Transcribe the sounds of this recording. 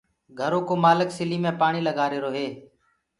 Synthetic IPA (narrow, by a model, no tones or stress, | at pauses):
ɡʱəɾoːkoːmaːləksɪliːmẽːpaːɳiːləɡaːɾeːɾoːɦeː